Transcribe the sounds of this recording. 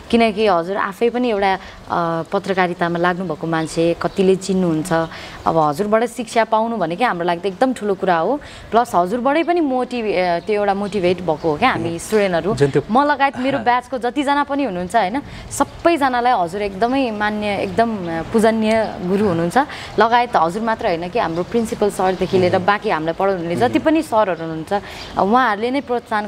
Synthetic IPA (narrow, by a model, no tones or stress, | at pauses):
kinʌkiɦʌd͡zuɾa̰pʰʌjpʌniewʈa | pʌt̪rʌkaɾit̪amalaɡnubʱʌkomant͡sʰekʌt̪ilet͡sinːuɦunt͡sʰʌ | ʌ̰bʌɦʌd͡zurbʌɽʌjsikt͡sʰapawnubʱʌnekʌɦamrolaɡ̚d̪ʌek̚d̪ʌmʈʰulokuɾaɦo | plʌsɦʌd͡zurbʌɽʌjpʌnimoʈit̪joewʈamoʈibʱeʈbʱʌkoɦokeɦamisʈuɽenʌɾumʌlʌɡaet̪meɾobjat͡skod͡zʌt̪id͡zʌnapʌniɦunuɦːnt͡sʰʌɦʌjnʌ | sʌbːʌjd͡zʌnalajɦʌd͡zuɾekd̪ʌmʌjmanjʌḛk̚d̪ʌmpud͡zʌnjʌɡuɾuɦunuɦːnt͡sʰʌ | lʌɡajet̪ɦʌd͡zurmat̪rʌjɦʌjnʌkiɦamroprinsipʌlsʌrd̪ekʰileɾʌbãkiɦamlajpʌɽʌwnunled͡zʌt̪ipʌnisʌɾʌɾuɦunuɦːnt͡sʰʌ | wãɦʌɾulenʌjprot̪san